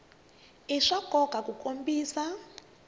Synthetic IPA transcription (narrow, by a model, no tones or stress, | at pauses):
iʂaɡ̥ʱɔɡ̥ʱakʼukʼombiːsa